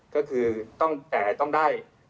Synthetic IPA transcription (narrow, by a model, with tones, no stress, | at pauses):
kɔː˥˩kʰɯː˧t̪ɔ˥˩ŋt̪ɛː˨˩t̪ɔ˥˩ŋdaː˥˩j